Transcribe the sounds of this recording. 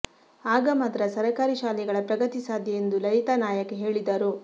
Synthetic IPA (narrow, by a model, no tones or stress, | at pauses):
aːɡɐmɐd̪ɾɐsɐɾɐkaːɾiʃaːlɛɡɐɭɐpɾɐɡɐt̪isaːd̪ijend̪ulɐɾit̪ɐnaːjɐkeɦe̞ːɭid̪ɐɾu